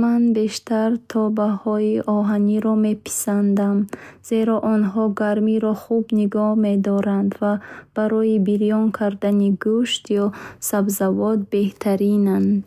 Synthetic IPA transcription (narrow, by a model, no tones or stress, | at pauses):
manbe̞ʃt̪aɾt̪ʰɔbahɔiʔɔɦaniɾɔme̞pʰi̥sand̪amz̥e̞ɾɔʔɔnɦɔɡaɾmiɾɔχubniɡɔhme̞d̪ɔɾand̪vab̥aɾɔjibiɾijɔŋkʰaɾd̪aniɡuʃt̪jɔsabzavɔt̪̚be̞ht̪ʰaɾinand̪